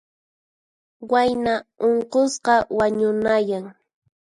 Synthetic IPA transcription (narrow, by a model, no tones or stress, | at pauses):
wajnaoɴqosqɑwaɲʊnajaŋ